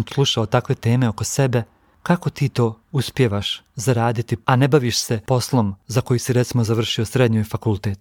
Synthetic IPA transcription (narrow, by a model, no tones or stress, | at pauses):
nslˠuʃaot̪akʋe̞t̪e̞ːme̞o̞ko̞se̞be̞ | kako̞t̪iːt̪o̞ː | uspje̞ʋaʃ | zaɾaːd̪it̪iane̞baʋiːʃse̞po̞slˠo̞mzako̞jisiɾet̪simo̞zaʋr̩ʃio̞sɾe̞d̪ɲujfakulˠt̪eːt̪